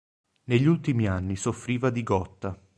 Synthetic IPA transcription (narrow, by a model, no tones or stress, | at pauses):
neʎːult̪imianːisofːɾiːvad̪iɡɔt̪ːa